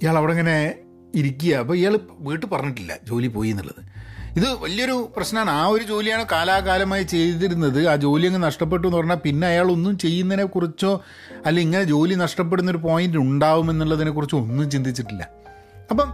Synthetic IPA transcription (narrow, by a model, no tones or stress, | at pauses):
ijaːɭɐʋiɽeŋːɐne̞ | iɾik̬ʲːujɐɐpːɐːijaːɭʋiːʈːɨpɐrɐɲːiʈ̬ːilːɐ̰d͡ʑo̞ːlipo̞ːjunːḭɭːɐ̰ðɨiðɨʋɐlijɐo̞ɾuprɐɕnɐaːɳɨaːo̞ɾud͡ʑo̞ːlijaːɳɨkaːlaːkaːlɐmaːjit͡ɕe̞jt̪iiɾunːɐðɨaːd͡ʑo̞ːlijɐŋːnenɐʂʈɐp̬ːe̞ʈːuenːupɐrɐɲːaːpinːe̞ɐjaːɭo̞nːumt͡ɕe̞jːunːɐðinekurit͡ɕːo̞ː | ɐlːɐiŋːɐne̞d͡ʑo̞ːlinɐʂʈɐp̬ːeɽunːɐo̞ɾupo̞ːjinduɳɖaːʋume̞nːiɭːɐðinekːurit͡ɕːo̞nːumt͡ɕind̪it͡ɕːiʈːilːɐ̰ | ɐpːɐm